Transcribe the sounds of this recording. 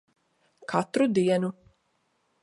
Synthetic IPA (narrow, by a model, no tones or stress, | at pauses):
kʰat̪ɾud̪iɛnu